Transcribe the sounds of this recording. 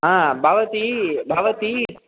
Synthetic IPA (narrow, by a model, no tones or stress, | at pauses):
ɦãːbaːʋət̪ibaːʋət̪i